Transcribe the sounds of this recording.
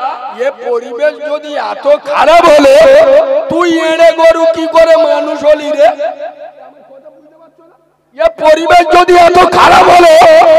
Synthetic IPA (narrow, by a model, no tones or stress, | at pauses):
epoɾibesd͡ʒod̪iat̪okʰaɾabɦolot̪uieɽ̃eɡɔɾukikɔɾemanusoliɾe | epoɾibesd͡ʒod̪iat̪okʰaɾabɦolo